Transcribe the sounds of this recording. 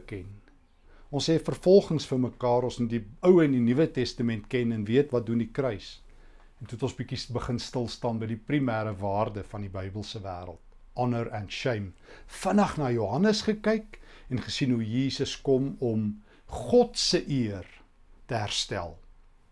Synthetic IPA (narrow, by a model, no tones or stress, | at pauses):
kɛn | ɔnsɦɛfərfɔlˠχəŋsfəməkɑːɾɔ̃nsnudiəwɛndinivətɛstəmɛntkɛnɛnviətvɐt̚dundikrœɥs | ɛntutɔ̃nsbikisbəχənstəlˠstɑːnbəjdiprimæːɾəvɑːrdəfɐndibœjbəlˠsəvæ̰ːɾə̰lˠt̚ | ɑnərɛnʃɛjmfənɐχnɑːjuɦɐnəsχəkɛjkɛnχəsinɦujiːsəskɔmɔm | χɔtsəʔiər | təɦærstæ̰lˠ